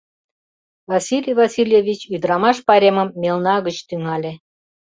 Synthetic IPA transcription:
vɑsʲilʲijvɑsʲilʲjevʲit͡ɕyd̪ɾɑmɑʃpɑɾʲeməmːelnɑɣət͡ɕt̪yŋɑlʲe

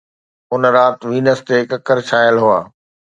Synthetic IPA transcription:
ʊn̆ɾaːt̪ʋiːnəst̪ekɐkəɾt͡ɕʰaːjəlɦʊaː

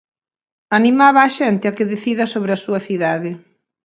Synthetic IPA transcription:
animaβɐːʃɛnt̪ɪakeðeθiðɐsoβɾɪasuɐθiðaðɪ

